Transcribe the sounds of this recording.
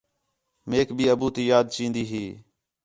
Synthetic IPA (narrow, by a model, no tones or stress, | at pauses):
meːkbʱiːəbuːt̪iːjaːd̪̚t͡ʃĩːnd̪iːɦiː